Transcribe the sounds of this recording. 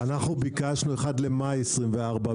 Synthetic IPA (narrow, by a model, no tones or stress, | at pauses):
anaχnubikaʃnue̞χadle̞majesʁimveaʁba